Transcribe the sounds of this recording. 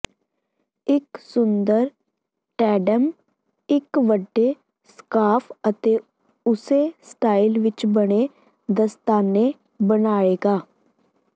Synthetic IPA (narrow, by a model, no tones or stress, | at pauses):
ɪksʊnd̪əɾ | ʈɛːɖəm | ɪkʋəɖːeː | skaːpʰət̪eː | ʊseːsʈaːilʋɪt͡ʃbəɽ̃eː | d̪əst̪aːneː | bənaːeːɡaː